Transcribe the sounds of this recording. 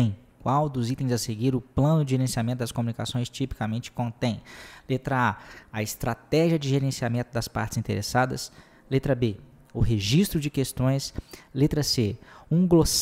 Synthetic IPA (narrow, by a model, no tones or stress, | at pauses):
ẽj̃ | kwawd̪ʊzit̪ẽj̃zɐseɡiɾʊplɐ̃nʊd͡ʒɪʒeɾẽsiamẽt̪ʊd̪ɐskomũnikasõj̃st͡ʃipi̥kamẽnt͡ʃɪ̥kõnt̪ẽj̃let̪ɾɐaɐɪst̪ɾat̪ɛʒiɐd͡ʒɪʒeɾẽsiamẽnt̪ʊd̪ɐspa̰ɾt͡ʃɪz̥ĩnt̪eɾʔesad̪ɐ̰s | let̪ɾɐbe | ʊɦeʒist̪ɾʊd͡ʒɪkest̪õj̃slet̪ɾɐseũɡlos